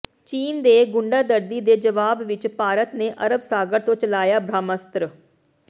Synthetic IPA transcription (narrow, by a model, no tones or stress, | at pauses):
t͡ʃiːnd̪eːɡʊɳɖaːd̪əɾd̪iːd̪eːd͡ʒəʋaːbʋɪt͡ʃpaːɾət̪neːʔəɾəbsaːɡəɾt̪õːt͡ʃəlaːjaːbɾaːməst̪ɾ